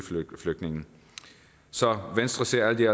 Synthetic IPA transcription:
fløɡ̥̚nɪ̝ŋn̩ | sɒʋensd̥ʁəse̝ɐ̰æld̥iæ

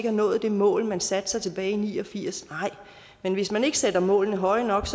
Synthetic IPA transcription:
ɡəhɑ̈nɔ̽ːð̞̩ˠd̥e̝mɔ̰̽ːlmænsæd̥sɑ̈ɪt͡sʰe̝b̥ɛːɪinḭːɒ̽fiɐ̰snɑ̈ɪ̰ | menʋe̝smæne̝ɡ̥əsed̥ɐmɔ̰̽ːlnəɦɒ̽ɪnɒ̽ɡ̥s

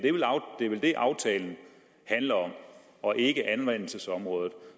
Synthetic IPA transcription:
d̥e̝ʋelʊd̥e̝ʋeld̥e̝ʔɑ̈ʊt͡sʰɛːln̩ | hænlɐɒ̽m | ɒ̽ʔe̝ɡ̥əʔænʋen̰l̩səsɒ̽mʁɔ̽ːð̞ˠð̩ˠ

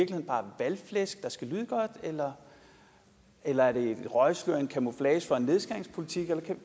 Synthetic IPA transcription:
ɐ̥lihḛn̩b̥ɑ̈ːʋælflesɡ̥̚d̥ɑ̈sɡ̥ælyːð̞ˠəɡ̥ɒ̽d̥elɐ | elɐæɐɾe̝d̥ʁɒ̽ɪsløɐ̰e̝nkʰæmo̝flɛːsfɒ̽e̝nːe̝ð̞ˠsɡ̥ɑ̈ŋ̰spʰo̝lit͡sʰiɡ̥elɐkʰæ

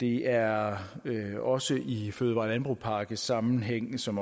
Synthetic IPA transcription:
d̥e̝æɐ | ɒ̽səʔiføːð̞ˠʋɑ̰̈ːlænb̥ʁṵpʰɑ̈ːɡ̥əsɑ̈mn̩ɦeŋ̰sɒ̽m

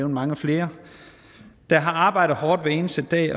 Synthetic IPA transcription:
ʊn̩ˠmɑ̈ŋəfle̝ːɐ | d̥ɑ̈ɦɑ̈ɑ̈ːb̥ɑ̈ɪdð̩ˠɦɒːd̥ʋee̝ːnəsəd̥ɛ̰ː

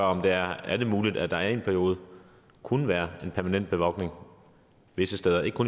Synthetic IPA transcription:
ɶɒ̽md̥e̝æɐælð̩muːlid̥æd̥ɑ̈æɐe̝npʰæɐio̝ːð̞ˠ | kʰunəʋæːɐe̝npʰæɐmænen̰d̥̚b̥e̝ʋɒ̽ɡ̥ne̝ŋ | ʋe̝səsd̥eːð̞ˠɐe̝ɡə̥kʰun

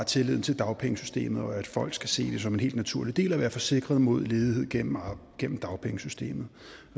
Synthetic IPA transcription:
ɑt͡sʰe̝leð̰ˠn̩t͡sʰe̝ld̥ɑ̈ʊpʰeŋəsysd̥e̝̰ːmð̩ˠɒ̽æd̥fɒ̽l̰ɡ̥sɡ̥æse̝̰ːd̥e̝s̬ɒ̽menhe̝̰ld̥næt͡sʰuɐ̰lid̥e̝̰ːlæʋæːɐfɒ̽se̝ɡ̥ʁɐð̞ˠmo̝ð̞̰ˠle̝ːðˠie̝ð̞̰̥ˠɡ̥en̰m̩d̥ɑ̈ʊpʰeŋəsysd̥e̝̰ːmð̞̩ˠ

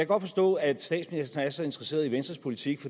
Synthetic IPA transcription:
ɡɒ̽d̥fɒ̽sd̥ɔ̰̽ːæd̥sd̥ɛ̰ːd̥sminisd̥ɐnsɒe̝nd̥ʁɐse̝̰ːɐð̞ˠiʋensd̥ʁɐspʰo̝lit͡sʰiɡ̥fɒ

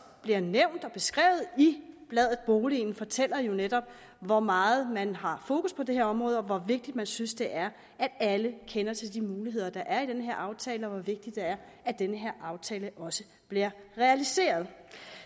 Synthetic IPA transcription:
b̥liɐneʊ̰nd̥ɒ̽b̥e̝sɡ̥ʁɛ̰ːʊð̩ˠib̥lɛð̰ˠð̩ˠb̥o̝ːliːn̩fɒ̽t͡sʰel̰ɐjo̝ned̥ɒ̽b̥̚ | ʋɒmɑ̈ːð̩ˠmænɦɑ̈fo̝ːkʰuspʰɒ̽d̥e̝ɦe̝ɐɒ̽mʁɔ̽ːðˠɒ̽ʋɒʋe̝ɡ̥̚d̥id̥̚mænsynsd̥e̝ʔæɐ | ʔæd̥æləkʰenɐt͡sʰe̝ld̥imuːliɦe̝ð̞̰ˠɐd̥ɑ̈ʔæɐid̥enəɦeɐ̰ʔɑ̈ʊt͡sʰɛːləɒ̽ʋɒʋe̝ɡ̥̚d̥id̥e̝æɐ | æd̥enəɦe̝ɐ̰ʔɑ̈ʊt͡sʰɛːləʔɒ̽sə | b̥liɐʁɛælise̝̰ːɐð̞ˠ

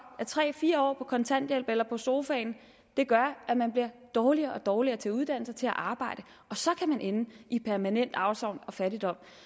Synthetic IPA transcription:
æt͡sʰʁɛ̰ːfiːɐɒ̰ːpʰɒ̽kʰɒ̽nt͡sʰæn̰d̥jelb̥elɐpʰɒ̽so̝ːfɛɪn | d̥e̝ɡ̥ɶɐʔæmænb̥liɐd̥ɒːliɐːʔɒ̽d̥ɒːliɐːt͡sʰe̝luð̞ˠd̥æn̰l̩sɐt͡sʰe̝læʔɑ̈ːb̥ɑ̈ɪ̰d̥ə | ʔɒ̽sɒ̽kʰæmænʔenəipʰæɐmænen̰d̥ɑ̈ʊsɒʊ̰nɒ̽fæɾid̥ɒ̽m̰

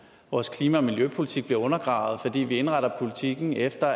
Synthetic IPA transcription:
ʋɒːskʰliːmæɒ̽miljøpʰo̝lit͡sʰiɡ̥̚b̥liɐɔ̽nɐɡ̥ʁɑ̈ʊð̩ˠfɒ̽d̥ḭːʋie̝nʁaɾ̥ɐpʰo̝lit͡sʰiɡ̥n̩efd̥ɐ

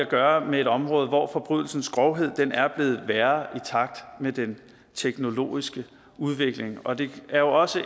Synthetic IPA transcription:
æɡ̥ɶːɐmeeɾ̥ɒ̽mʁɔ̽ːðˠʋɒ̰fɒ̽b̥ʁy̰ðˠl̩sn̩sɡ̥ʁɒʊɦe̝ð̰ˠd̥enæɐb̥le̝ːð̞̩ˠʋæːɐit͡sʰɑ̈ɡ̥̚d̥med̥en | t͡sʰeɡ̥no̝lo̝̰ːisɡ̥ə | uð̞ˠʋe̝ɡ̥le̝ŋɒ̽d̥e̝æɐjo̝ɒ̽sə

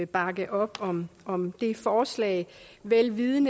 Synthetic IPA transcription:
b̥ɑ̈ɡ̥əʔɒ̽b̥ɒ̽mɒ̽md̥e̝fɒːslɛ̰ɪʋelʋiðˠən

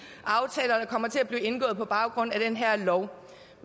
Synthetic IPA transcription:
ɑ̈ʊt͡sʰɛːlɐd̥ɑ̈kʰɒ̽m̰ɐt͡sʰe̝æb̥liːe̝nɡ̥ɔ̽ːð̩ˠpʰɒ̽b̥ɑ̈ʊɡ̥ʁɔ̽n̰æɾ̥enɦæɐ̰lɒʊ̰

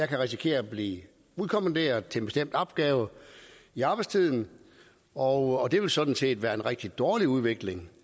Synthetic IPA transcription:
jɑ̈ɪkʰæʁis̬ikʰe̝̰ːɐɒb̥lḭː | uð̞ˠkʰomænd̥ḛːɐð̩ˠt͡sʰe̝nb̥e̝sd̥em̰d̥ɒ̽b̥̚ɡ̥ɛːʊ | iɑ̈ːb̥ɪst͡sʰið̞̰ˠn̩ | ɒʊɒ̽d̥e̝ʋe̝lsɒ̽d̥n̩se̝̰ːd̥ʋæːɐenʁɛɡ̥̚d̥id̥ɒːliuð̞ˠʋe̝ɡ̥le̝ŋ

